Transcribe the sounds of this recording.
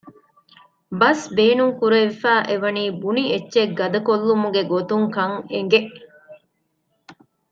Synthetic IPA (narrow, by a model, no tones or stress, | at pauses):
bɐsbeːnuŋkuɾeʋifæːʔeʋɐniːbunietːʃeɡɐd̪ɐkolːumuɡeɡot̪uŋkɐŋeŋ̆ɡeʔ